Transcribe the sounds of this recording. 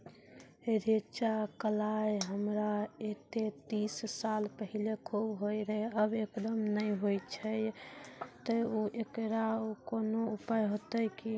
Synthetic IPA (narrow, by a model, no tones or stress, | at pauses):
ɾet͡ʃakəlajɦəmɾaet̪et̪isːalpəɦilekʰubɦojɾəɦeəbekd̪əmnəjɦojt͡ʃʰə | t̪əuʔekɾaokonoupajɦot̪əjki